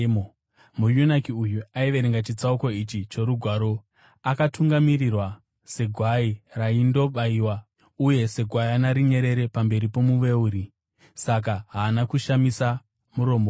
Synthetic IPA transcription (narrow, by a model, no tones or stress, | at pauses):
mujunakiujuaiʋe̞ɾeŋɡat͡ʃit͡sauko̞it͡ʃit͡ʃe̞ɾuɡʱwaːɾo̞ | akatuŋɡamirirwa | se̞ɡʱwairaindo̞ɓaiwa | uje̞se̞ɡʱwaianaɾiɲe̞ɾe̞ɾe̞pambe̞ɾipo̞muʋe̞uɾi | sak̬aɦaːnakuʃamisa | muɾo̞mbo